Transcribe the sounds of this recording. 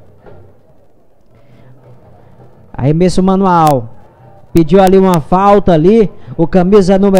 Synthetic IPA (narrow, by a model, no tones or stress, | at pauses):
ɐ̰hemesʊmɐ̃nuaw | ped͡ʒiwaliũmɐfawt̪ɐaliʊkɐ̃mizɐnũme